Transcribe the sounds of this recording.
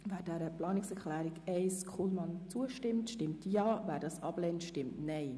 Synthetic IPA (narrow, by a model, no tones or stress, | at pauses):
væːɾd̥ɛɾəplɑːnɪksɛklæːɾiɡɛɪskʰχulmɑnt͡suəʃtɪmtʃtɪmtjɑːvæːɾdɑsɑblɛntʃtɪmtnɛɪ